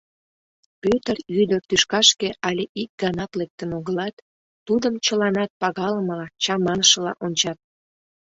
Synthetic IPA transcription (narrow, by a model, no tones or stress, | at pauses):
pøt̪əryd̪ərt̪yʃkɑʃkeʔɑlʲeʔik̚ɡ̥ɑnɑt̪lek̚t̪ənoɣəlɑt̪ː | ud̪əmt͡ɕəlɑnɑt̪̚pɑɣɑləməlɑt͡ɕɑmɑnəʃə̆lɑ̰ʔonʲt͡ɕɑt̪̚